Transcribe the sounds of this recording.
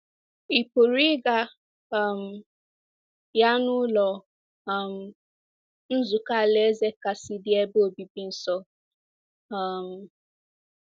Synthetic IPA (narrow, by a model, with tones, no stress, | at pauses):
i˨po˨ɾi˦ɡa˦˨ | m̩˨ | ja˦nʊ˦lɔ˨ | m̩˦ | n̩˦zu˨ka˦˨le˦ze˦ka˨si˦dɪ˦e˦bo˨bi˨bi˦n̩˦sɔ˦˨ | m̩˨